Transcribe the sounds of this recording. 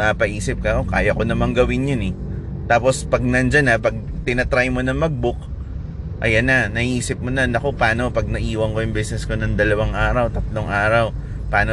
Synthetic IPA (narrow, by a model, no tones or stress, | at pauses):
aːpɐʔiːsɪp̚kɐʔoka̰ːjɐko̞nɐmaŋɡɐwɪnjonɛ | t̪aːpo̞spɐɡ̚nɐnd͡ʒɐnɐpɐɡ̚t̪ɪnɐt̪ɾajmonɐŋmɐɡ̚bʊk̚ | ʔɐ̰janːɐnɐhiːsɪp̚monɐnɐko̞paːno̞pɐɡ̚nɐʔiːwɐŋkojʊŋbɛsnɛsko̞nɐŋd̪ɐlɐwaŋʔaːɾɐwt̪ɐt̪loŋʔaːɾɐw | paːno